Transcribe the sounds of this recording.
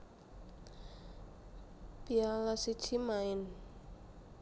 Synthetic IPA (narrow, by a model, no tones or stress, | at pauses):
pialasid̥t͡ʃimaɪn